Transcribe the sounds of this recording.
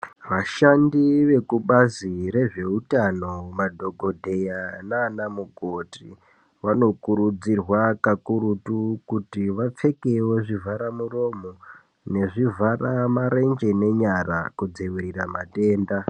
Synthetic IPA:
ʋaʃandiʋe̞kuɓazire̞ʐe̞utano̞madʱo̞ɡʱo̞dʱe̞janaːnamukoti | ʋano̞kuɾud͡zirwakakuɾutukutiʋap͡fe̞ke̞we̞ʐivʱaɾamuro̞mo | ne̞ʐivʱaramaɾe̞nd͡ʒe̞ne̞ɲara̰kud͡ziwiɾiramate̞ːnda

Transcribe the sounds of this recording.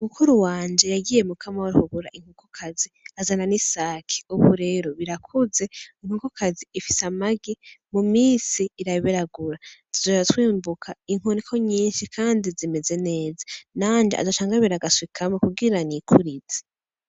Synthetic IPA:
umukuɾuwaːnd͡ʒe̞jaɡiːje̞mukʰamawaɾuhuɡuɾa̰ʔiŋ̥ukukʰaziazananisaːkʰi̥uβuɾe̞ːɾo̞βiɾakʰuze̞iŋhukukaziːfi̥samaɡimumiːsiːɾaβiɾaɡuɾatʰuzoatwiːmbukʰaiŋ̥onikʰo̞ɲiːnʃikʰaːndizime̞ze̞ne̞ːzanaːnd͡ʒeʔa̰zot͡ʃaːŋɡaβiɾaɡaswikʰamokuɡiɾanikʰuɾize̥

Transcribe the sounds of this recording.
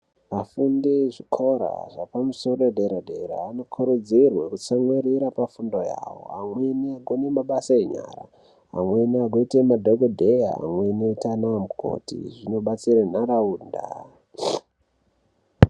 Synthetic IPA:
mafundiʐikʰo̞ɾa̰ʐapamuso̞ɾoedeɾadeɾa̰ːno̞kʰuɾod͡zirwekut͡samweɾiɾapafundo̞ja̰wo̞̰amweniaɡʱonemaɓasaeɲa̰ra̰ | ɦa̰mweniaɡʱoitemadʱoɡodʱeja̰a̰mwe̞netanowamukʰo̰tḭʐino̞ɓat͡sirenaɾauːnda̰

